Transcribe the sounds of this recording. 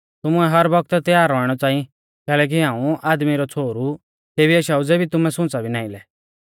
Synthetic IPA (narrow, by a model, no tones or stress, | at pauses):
t̪ʊmʊɛɦɐɾbɔk̚t̪t̪jaːɾːɔːɽ̃ɔt͡sãːĩ | kɛːlɛːk̬iɦãːũaːd̪miɾɔt͡sʰoːɾu | t̪eːbiɛʃaːud͡zɛbʱit̪ʊmɛsʊ̃t͡sabʱinãːɪ̃lɛ